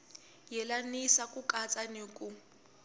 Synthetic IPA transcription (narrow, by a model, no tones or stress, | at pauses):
jɛlanisakʼukʼat͡sʼanikʼu